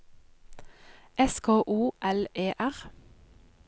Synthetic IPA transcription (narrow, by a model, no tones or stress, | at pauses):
ʔɛskʰoːʔuːʔɛleːʔæʁ